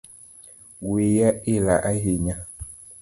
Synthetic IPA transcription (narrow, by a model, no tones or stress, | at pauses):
wejaelaʔaɦeɲa